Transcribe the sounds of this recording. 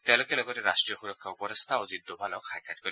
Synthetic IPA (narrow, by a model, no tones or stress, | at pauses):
t̪ẽlokelɔɡɔteɾasʈɹijɔxuɾɔkʰːaupɔɾɔst̪ʰaozid̪ːɔbʱanɔkʰajkʰatkɔɾi